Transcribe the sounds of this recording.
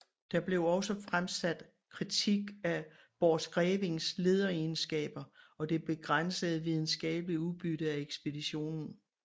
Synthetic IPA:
d̥ɑ̈b̥le̝ʊɒ̽sɒfʁamsæd̥ | kʰʁit͡sʰiɡ̥æ | b̥ɒ̥ːsɡ̥ʁɛːʋe̝ŋsle̝ːð̞ˠɐensɡ̥ɛ̰ːb̥ɐɒ̽d̥e̝b̥e̝ɡ̥ʁan̰səð̩ˠʋið̞ˠn̩sɡ̥ɛ̰ːb̥əliuðˠb̥yɾ̥əæeɡ̥sb̥e̝d̥iɕo̝̰ːnn̩

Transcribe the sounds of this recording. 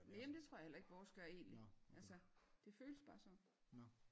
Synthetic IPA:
mjemn̩d̥e̝t͡sʰʁo̝ɐ̰jhel̰ɐe̝ɡ̥ʋɒːsɡ̥ɶɐe̝̰ːnliʔælsəd̥e̝føːləsb̥ɑ̈ːsɒ̽m

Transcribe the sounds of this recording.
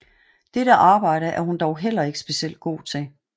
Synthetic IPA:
d̥eɾəʔɑ̈ːb̥ɑ̈ɪ̰ɾəʔæɐhund̥ɒʊɦel̰ɐe̝ɡ̥ə̥sb̥e̝siel̰d̥̚ɡ̥o̝̰ːt͡sʰe̝l

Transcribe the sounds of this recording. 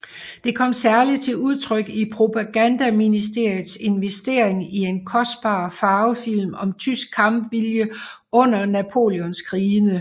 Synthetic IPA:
d̥e̝kʰɒ̽m̰sæɐli̥t͡sʰe̝uð̞ˠt͡sʰʁœɡ̥ipʰʁo̝pʰɑɡ̥ænd̥æminisd̥e̝ɐ̰jið̩ˠse̝nʋesd̥e̝ɐ̰e̝ŋie̝nkʰɒ̽sd̥̚b̥ɑ̰̈ːfɑ̈ːʊfil̰mɒ̽mt͡sʰysɡ̥̚kʰːɑ̈mb̥ʋiljə | ɔ̽n̰ɐnæpʰo̝̰ljɔnskʰʁiːnə

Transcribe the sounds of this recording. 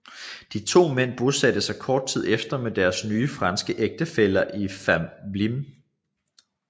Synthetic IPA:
d̥it͡sʰo̝̰ːmen̰b̥o̝sæd̥əsɑ̈ɪkʰɒːd̥̚t͡sʰið̞̰ˠefd̥ɐmed̥æɐsnyːfʁɑ̈nsɡ̥əʔeɡ̥̚d̥əfel̰ɐʔifæmlim

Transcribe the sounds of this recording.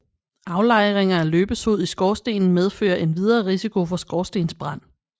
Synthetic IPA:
ʔɑ̈ʊlɑ̈ɪʁeŋɐæløːb̥əsoð̞̰ˠisɡ̥ɒːsd̥e̝̰ːnn̩með̞ˠfø̰ːɐʔe̝nʋið̞ˠɐːʁisikʰo̝fɒ̽sɡ̥ɒsd̥e̝̰ːnsb̥ʁɑn̰

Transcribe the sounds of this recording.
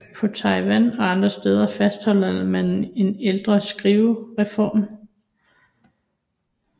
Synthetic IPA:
pʰɒ̽t͡sʰɑ̈ɪʋænɒ̽ɑ̈nd̥ʁɐsd̥eːð̞ˠɐfæsd̥hɒ̽l̰ɐmæne̝neld̥ʁɐsɡ̥ʁiʊʁɛfɒ̰ːm

